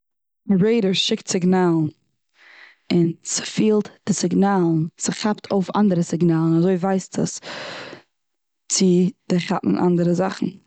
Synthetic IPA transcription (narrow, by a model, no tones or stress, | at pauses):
dəbɹeɪɾəɹʃɪktsɪɡnaːlˠ | ɪnsɪ̥fiːlˠtd̥ɪsɪɡnaːlˠn̩sɪχaptʰoʊfa̰ndəɾəsɪɡnaːlˠn̩azoɪvaɪstʰə̰s | t͡sɪd̥ɪχa̰ʔn̩ʔa̰ndəɾəzaχn̩